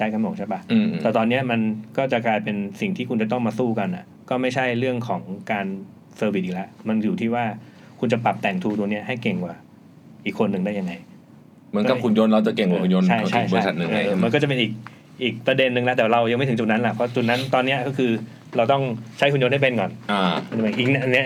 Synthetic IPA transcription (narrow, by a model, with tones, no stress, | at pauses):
t͡ɕʰa˦˥jkʰa˧mnu˨˩ŋt͡ɕʰa˦˥˩pa˦˥˧tɛː˨˩t̪ɔː˧nːi˦˥ɐma˧nkɔː˥˩t͡ɕa˨˩klaː˧jpe˧nsi˨˩ŋt̪ʰiː˥˩u˧nt͡ɕa˨˩t̪ɔ˥˩ŋmaː˧suː˥˩ka˧na˨˩ | kɔː˥˩ma˥˩jt͡ɕʰa˥˩jɾɯ˥˩əŋkʰɔː˩˦ŋkaː˧n | sɤː˧wi˨˩ʔiː˨˩lɛ˦˥ʔma˧njuː˨˩t̪ʰiː˥˩waː˥˩ | kʰu˧nt͡ɕa˨˩pa˨˩p̚t̪ɛː˨˩ŋt̪ʰuː˧t̪u˧ŋni˦˥ɐɦa˥˩jke˨˩ŋkwaː˨˩ | ʔiː˨˩kʰːo˧nːɯ˨˧ŋdaː˥˩ja˧ŋːa˧j | mɯ˩˦əka˨˩kʰu˧njo˧nɾa˧wt͡ɕa˨˩ke˨˩ŋkwaː˨˩ku˧njo˧nʰa˥˩˧t͡ɕʰa˥˩jt͡ɕəː˧˥˧sa˨˩nɯ˨˧ʔːma˧nkɔ˥˩t͡ɕa˨˩pe˧nʔiː˨˩k̚ | ʔiː˨˩k̚pɾa˧de˧nːɯ˨˧ŋla˦˥t̪ɛː˨˩wa˧ɾa˧wjma˥˩jt̪ʰɯ˩˦t͡ɕu˨˩t̪na˦˥nla˨˩pʰɔ˦˥t͡ɕu˨˩t̪̚na˦˥nt̪ɔː˧nːi˦˥ɐkɔː˥˩kʰɯː˧ | ɾa˧wt̪ɔ˥˩ŋt͡ɕʰa˦˥jkʰu˧njo˧nha˥˩pe˧nkɔː˨˩na˧˩a˧a˨˩pe˧˩ʔiː˨˩k̚n˧nːi˦˥ɐ